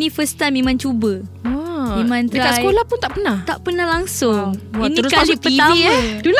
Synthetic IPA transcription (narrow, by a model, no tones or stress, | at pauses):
nĩfəst̪amẽmãnt͡ʃubə | mimãnt̪ɾakasəjkolahpunt̪aʔpənaht̪aʔpənahlaŋsʊŋinĩɾskaalipəit̪aidul